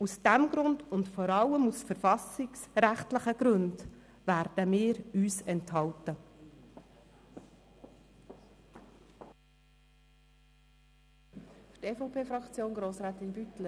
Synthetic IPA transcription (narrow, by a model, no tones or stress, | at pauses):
usd̥æmɡɾʊndʊntfɔɾɑlːəmusfəɾfɑsɪksɾæχtləχəɡ̥ɾɵnd̥ | væːɾd̥əmɪːɾyːsɛnthɑltə | fyteːfopʰeːfɾɑkt͡sjoːnɡɾoːsɾæːt̪ɪnbytlə